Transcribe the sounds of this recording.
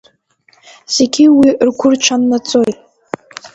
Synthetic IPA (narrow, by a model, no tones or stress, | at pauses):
z̥e̞ɡʲiwirɡʷʊrt͡ʃʷʰanːat͡sʼo̞jtʼ